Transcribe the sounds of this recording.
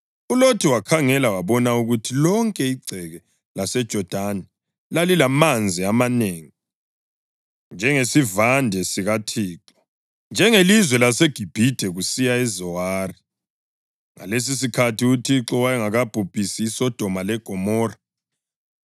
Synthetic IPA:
ulotʰiwakʰaŋɛlawaβɔnauɣutʰilɔŋkʼɛiɡ͡ǀʱɛɣɛ | lasɛd̥ʒ̥ʱɔd̥ʱanɛ | lalilamand͡zʱiamaneːŋi | nd͡ʒʱɛŋesivandʱɛsiɣatʰiːǁɔ̥ | nd͡ʒʱɛŋelizwɛlaseɡ̥ʱib̥ʱid̥ʱɛɣusijaɛzɔwari | ŋa̰les̬is̬ikʰatʰiutʰiǁɔwajɛŋaɣab̥ʱub̥ʱisiːsɔd̥ʱɔmalɛɡ̥ʱɔmɔːra

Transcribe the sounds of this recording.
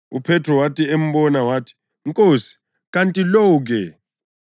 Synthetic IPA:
upʰɛtʰrɔwatʰiem̩ɓɔnawaːtʰi̥ | ŋkʼoːsi̥ | k̬antʼilɔk̬ɛ

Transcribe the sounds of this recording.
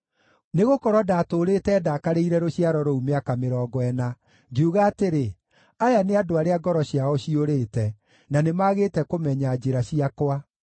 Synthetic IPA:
neɣokɔɾwɔdatoɾetɛːdakaɾeiɾɛɾoɕiaɾɔɾoumeakameɾɔːɡɔɛna | ɡeuɣaːteɾe | ajaneadoaɾeaɡɔɾɔɕiaɔɕioɾeːtɛ | nanemaɣeːtɛkomɛɲad͡ʑeɾaɕiakwa

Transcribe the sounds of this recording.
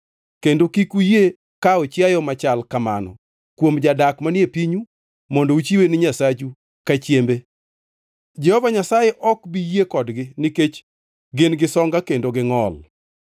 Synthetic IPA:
kendokikuje | kaɔt͡ʃjajɔmat͡ʃalkamanɔ̰ | kwomd͡ʒadakmanjepiɲu | mɔndout͡ʃiwenɪɲasat͡ʃu | kat͡ʃjembe | d͡ʒɛhɔvaɲasajɛʔɔkbijekɔdɡɪniket͡ʃ | ɡenɡɪsɔŋɡakendoɡɪŋɔl

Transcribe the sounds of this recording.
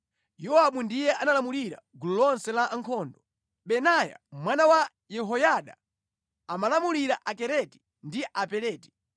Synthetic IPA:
jɔwaɓundijɛʔanalamuliɾa̰ɡululɔnsɛlaʔaŋkʰɔːndɔ | ɓɛnaja̰mwanawa | jɛɦɔjaɗa̰ | amalamuliɾaʔakɛɾɛti̥ | ndiʔapɛɾɛːti̥

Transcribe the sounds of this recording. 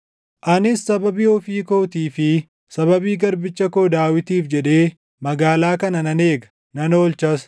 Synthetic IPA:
ʔɐnɪsːɐbɐbiɔfiːko̞ːt̪iːfɪ | sɐβɐbiːɡɐɾbɪt͡ʃːɐkoːd̪aːwɪt̪iːfd͡ʒɛᶑe̞ː | mɐɡaːlaːkɐnɐnɐneːɡɐ̥ | nɐnoːlt͡ʃɐs

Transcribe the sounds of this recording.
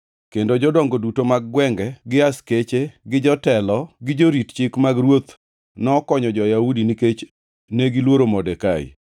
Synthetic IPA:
kendod͡ʒɔdɔŋɡodutomaɡɡwɛŋɡɛɡɪasket͡ʃeɡɪd͡ʒɔtɛlɔɡɪd͡ʒoɾitt͡ʃɪkmaɡɾwot̪ | nɔkɔɲɔd͡ʒɔjaudiniket͡ʃ | neɡilwoɾomɔdɛkaj̰

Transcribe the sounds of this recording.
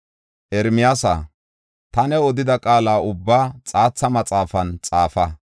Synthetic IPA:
ʔɛɾmɪjaːsa̰ | t̪ɐnɛɔd̪ɪd̪ɐkʼaːlaːʊbːaːt͡sʼaːt͡sːɐmɐt͡sʼaːfɐnt͡sʼaːfɐ

